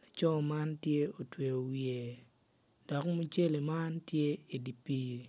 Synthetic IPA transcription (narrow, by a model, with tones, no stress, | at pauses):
e˨t͡ʃɔ˦˨ma˦ntje˦o˨twe˨o˨wje˨ | d̥ɔ˨kmu˦t͡ʃe˦li˨ma˦ntje˦i˨di˨pi˦